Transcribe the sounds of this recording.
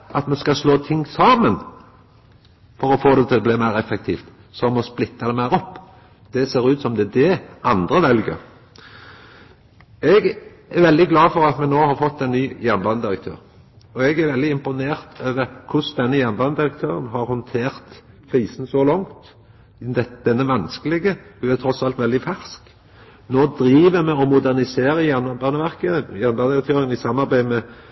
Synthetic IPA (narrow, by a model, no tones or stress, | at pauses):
ɑt̪mɛnskɑsloːt̪ʰɪŋːsɑːmən | fɔɾɔfoːd̪ɛt̪ʰɪlɛbliːmæɪɾɛfɛkt̪ʰiːft̪ | sɔmɔsplɪt̪ːɑd̪ɛmæɪɾɔpː | d̪̥ɛseːɾʉːt̪sɔmd̪ɛd̪ɛʔɑnd̪ʁəʋɛlɡə̰ɾ | ɛɡ | æɾʋɛld̪ɪɡlɑːfɔʁɑt̪mɛnoːhɑɾfɔt̪ːɛɪnːyːjɛnbɑnd̪ɪɾək̚t̪ʰø̰ːɾ | ɔɛɡæɾʋɛld̪ɪɪmpʊneːʁt̪ʰøːʋəkʰʊsd̪ɛnːəjɛnbɑnəd̪ɪɾək̚t̪ʰøːʁənɦɑɾhɔnt̪ʰeːʁt̪ | kʰʁiːsnsɔlɑŋt̪ | d̪ɛd̪̥ɛnːəʋɑnskəlɪɡəd̪ʉæt̪ʰɾɔsɑlt̪ʋɛld̪ɪfæʁsk | noːd̪ɾiːʋəmɛɔmʊd̪æʁnɪseːɾəjænbɑnəʋæʁkəjɛnbɑnd̪ɪɾək̚t̪ʰøːɾɪənɪsɑmːɑɾbæɪmɛ